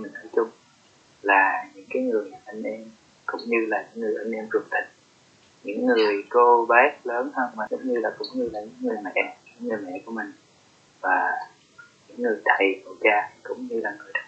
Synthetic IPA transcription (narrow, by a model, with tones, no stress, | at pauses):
mï̟˨˩nɔ˨˦jt͡ɕʊ˧ŋ͡m | laː˨˩ɲɨ̰˧˥ŋkaː˨˦jŋɨ˨˩əja˨˩ʔa˧jŋ̟ʔɛ˧m | kʊ̰˧˥ŋ͡mɲɨ˧laː˨˩ɲɨ̰˧˥ŋːɨ˨˩ə˩jʔa˧ŋn̟ʔɛ˧mzʊ˨˩ŋ̚t̪ʰi˨˩k̟̚ | ɲɨ̰˧˥ŋːɨ˨˩əjko˧ɓɛ˨˦k̚ləː˨˦nhəː˧ŋmaː˨˩zə̰˨˧˨ŋ͡mɲɨ˧laː˨˩kʊ̰˧˥ŋ͡mɲɨ˧laː˨˩ɲɨ̰˧˥ŋŋɨ˨˩əjmɛ̰˧ɲɨ̰˧˥ŋːɨ˨˩əjmɛ̰˧˨ku˧˩əmï˨˩ŋ̟ | vaː˨˩ | ɲɨ̰˧˥ŋːɨ˨˩əjt̪ʰə˨˩jko˧˩t͡ɕaː˧˩kʊ̰˧˥wŋ͡mɲɨ˧laː˨˩ŋɨ˨˩əjt̪ʰə˨˦